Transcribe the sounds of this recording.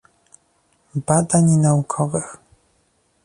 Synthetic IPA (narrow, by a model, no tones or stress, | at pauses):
bad̪aɲnaukʰɔvɘx